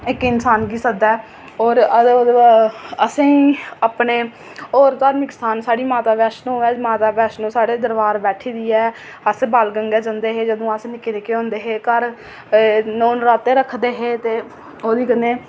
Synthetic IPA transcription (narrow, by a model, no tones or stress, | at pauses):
ɪkɪnsaːnɡiːsəd̪ɛː | oːɾ | əsẽːiːapɳeː | oːɾt̪aːɾmɪkstaːnsaːɽiːmaːt̪aːbɛːʃnõːɛːmaːt̪aːbɛːʃnũːsaːɽeːd̪əɾbaːɾbɛːʈʰiːd̪iːɛː | əsbaːlɡəŋɡɛːd͡ʒə̃nd̪eːɦeːd͡ʒəd̪õːəsnɪkːɾeːkeːõːnd̪eːɦeːkəɾ | noːnɾaːt̪eːɾəkʰd̪eːɦeːt̪eː | oːd̪iːkənːeː